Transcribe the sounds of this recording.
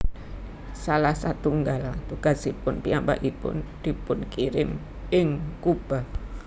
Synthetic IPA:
salahsat̪uŋɡalt̪uɡ̥a̤sipʊnpiambaʔipʊ̰nd̪̥i̤pʊnkiɾɪm | ɪŋkub̥a̤

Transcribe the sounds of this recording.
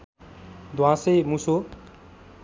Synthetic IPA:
d̪ʱwãsejmuso

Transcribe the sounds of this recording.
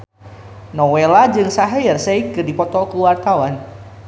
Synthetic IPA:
nɔwelad͡ʒɨŋsaɦirseikːɨrdipɔt̪ɔkuwart̪awan

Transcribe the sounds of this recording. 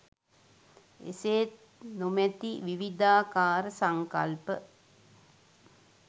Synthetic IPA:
ḛseːt̪ | numɛt̪iʋiʋid̪aːkaːɾəsaŋka̰lpə

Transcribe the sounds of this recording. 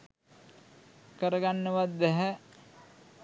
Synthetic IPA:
kəɾəɡanːəʋad̪ːɛɦɛ

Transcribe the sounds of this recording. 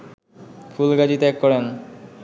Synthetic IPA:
fʰulɡad͡ʑit̪ɛkːɔɾen

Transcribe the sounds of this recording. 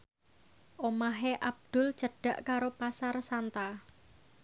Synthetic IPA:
ʔomaɦeʔab̚d̪̥ʊ̤l̥d͡ʒ̥ə̤ɖ̥a̤ʔkaɾopasarsant̪a

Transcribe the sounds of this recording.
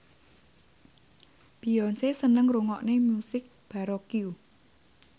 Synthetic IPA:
b̥i̤ɔnsesənəŋruŋɔʔnemusɪk̚ | b̥a̤ɾɔkiu

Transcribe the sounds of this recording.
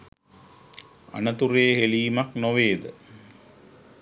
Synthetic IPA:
a̰nət̪uɾeːɦeliːmaknoʋeːd̪ə

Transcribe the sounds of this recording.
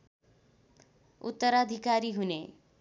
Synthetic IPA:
ṵt̪ːʌɾad̪ʱikaɾiɦune

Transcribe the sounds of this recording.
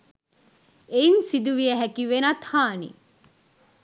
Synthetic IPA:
einsid̪uʋieɦækiʋenɐt̪haːnḭ

